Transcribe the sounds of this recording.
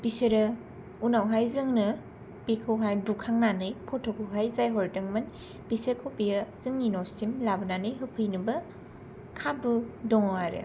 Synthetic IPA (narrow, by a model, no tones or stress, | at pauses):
b̥iseɾɐ | unawɦajzɯŋnɯ | pikʰɯwɦajbukʰaŋnanɯjpʰɔtʰɔkʰɯwɦajzajɦɔɾdɯŋmɯn | bisekʰopijɐz̥ɯŋninɔwsimlabɯnanɯjɦɯpʰɯjnɯbɐ | kʰabudɔŋawaɾḛ